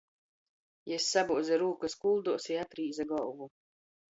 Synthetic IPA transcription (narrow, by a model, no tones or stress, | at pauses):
jɛsːabuɔd̪zʲɛɾuːkaskulˠd̪uɔsiat̪ɾiːzaɡɔlvu